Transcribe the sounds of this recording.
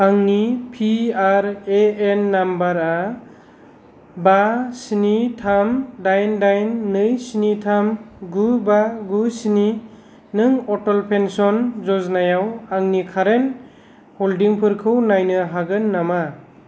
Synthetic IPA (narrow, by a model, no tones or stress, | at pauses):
aŋnipʰiaɾeenːambaɾa | basinitʰamdajndajnːɯjsinitʰamɡubaɡusini | nɯŋɔtɔlpʰensɔnzɔznajawaŋnikʰaɾen | holdiŋpʰɯɾkʰɯwnajnɯɦaɡɯnːama